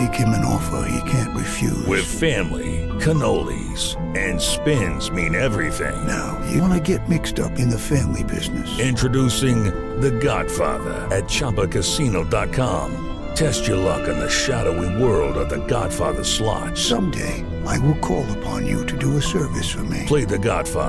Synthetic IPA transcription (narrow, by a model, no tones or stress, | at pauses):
ikʰɪ̃mɨ̃nɔ̰fə̰hḭkʰæ̃nʔɹɨfjʉ̰wɪð̥fæ̃mlḭkʰɨnoʊlˠḭ | z̥ | ɨ̃nspɪ̃nzmĩnɛvɹiθɪ̰̃ŋnaʊjɨnɨɡɛt̚mɪkstʌ̰pɨ̃nðɨfæ̃mlibɪznɨsɪ̃ntt͡ʃɹ̥ɨdusɪ̃ŋ | ðɨɡɑd̥fɑ̰ðə̰˞ɨt̚t͡ʃʰɑbəkʰɨsinoʊdɑt̚kʰɑ̃m | tʰɛst͡ʃə˞lʌ̰kɨ̃nðɨʃæɾoʊiwɜ˞lˠdʌvðɨɡɑ̰d̥fɑ̰ðə̥˞slɑ̰t̚sʌ̃mdḛɪ | ʔaɪwɪlˠkʰɔlˠəpʰɑ̰̃njɨ̰ɾɨdɨəsɜ˞vɨsfə˞mḭl̥eɪðɨɡɑ̰d̥fɑ̰ð